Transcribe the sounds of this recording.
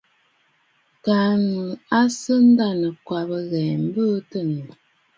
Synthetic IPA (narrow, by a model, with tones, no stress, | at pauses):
ka˨˦nɨ˨a˦sə˦n̩˦da˦˨nə˨kwa˨bə˨ɣɛ˨m̩˦bə˦tə˦˨nə˨